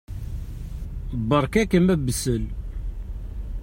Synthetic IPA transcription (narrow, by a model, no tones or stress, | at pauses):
bəɾˤkækəmæbːəsəl